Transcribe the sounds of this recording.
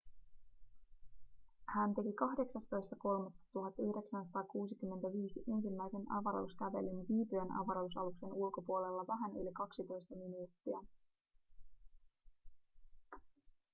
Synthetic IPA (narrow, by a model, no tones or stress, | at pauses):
hænt̪e̞kikɑɦde̞ksɑst̪o̞jst̪ɑko̞lmɑt̪ːɑ̥t̪uɦɑt̪ːyhde̞ksænsɑt̪ɑːkuːsikymːe̞nt̪æʋiːsiʔe̞nsimːæjse̞nɑ̰ʋɑɾo̰uskæʋe̞̰linʋiːpyenɑ̰ʋɑɾousɑ̰lukse̞nulko̞puo̞le̞lːɑʋæɦæny̰likɑksit̪o̞jst̪ɑminuːt̪ːiæ